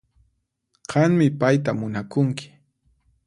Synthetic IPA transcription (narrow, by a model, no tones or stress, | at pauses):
ɢɑŋmɪpajt̪amʊnakʊŋkɪ̥